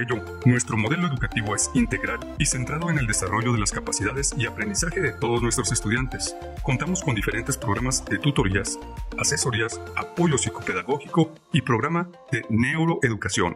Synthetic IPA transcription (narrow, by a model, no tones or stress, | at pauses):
eʝo | nwe̞st̪ɾo̞mo̞ðe̞lo̞e̞ðukat̪iβo̞e̞sint̪e̞ɣɾalise̞nt̪ɾaðo̞ene̞ld̪e̞saro̞ʝoðe̞laskapasiðaðe̞siapɾe̞nd̪isaxe̞ðe̞t̪o̞ðo̞znwe̞st̪ɾo̞se̞st̪uðjant̪e̞s | ko̞nt̪amo̞sko̞nd̪ifeɾe̞nt̪e̞spɾo̞ɣ̞ɾamazðe̞t̪ut̪o̞ɾiasase̞so̞ɾiasapo̞ʝo̞siko̞pe̞ðaɣo̞xiko | ipɾoɣɾama | ðe̞ne̞wɾo̞ʔe̞ðukasjo̞̰n